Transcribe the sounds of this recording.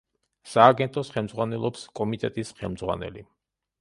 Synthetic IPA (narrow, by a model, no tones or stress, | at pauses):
saːɡɛnt̪ʼɔsχɛlˠmd̪zʁwanɛlˠɔpskʼɔmit̪ʼɛt̪ʼisχɛlˠmd̪zʁwa̰nɛ̰lḭ